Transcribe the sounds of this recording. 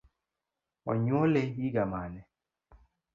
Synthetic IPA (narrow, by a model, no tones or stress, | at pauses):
ɔɲwɔlejiɡamanɛ